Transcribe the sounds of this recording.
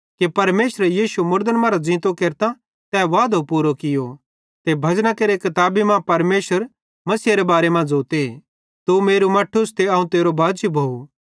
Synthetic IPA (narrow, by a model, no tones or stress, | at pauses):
kepɐɾmeːʃɾɛjiːʃumʊɾd̪ənmãːɾad͡zɪ̃ːt̪okeːɾt̪ã | t̪ɛːʋaːd̪ʱopuːɾokɪjo | t̪ebʱɐd͡ʒnãkeːɾekɐt̪aːbimãpɐɾmeːʃəɾ | mɐsiːaɾebaːɾemãd͡zoːt̪e | t̪umeːɾumɐʈʰːʊst̪eɐːũt̪eːɾobʱaːd͡ʒibʱoːu